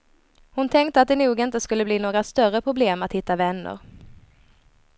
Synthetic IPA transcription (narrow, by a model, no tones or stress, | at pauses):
hʊnt̪ʰɛŋkt̪əat̪̚d̪ɛnuːɡɪnt̪əskɵlːəbliːnoːɡɾast̪œrəpʰɾʊbleːmat̪hɪt̪ːavɛnːə̰ɾ